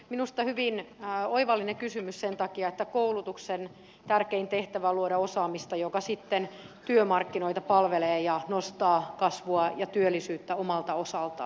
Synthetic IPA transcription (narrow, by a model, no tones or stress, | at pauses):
minust̪ɑhyʋinːoiʋɑlːinekysymyssent̪ɑkiɑet̪ːækoulut̪uksen | t̪ærkeint̪eht̪æʋæluoɾɑosɑːmist̪ɑjokɑsit̪ːent̪yømɑrkːinoit̪ɑpɑlʋeleːjɑnost̪ɑːkɑsʋuɑjɑt̪yølːˑisyːt̪ːæomɑlt̪ɑosɑlt̪ɑ̰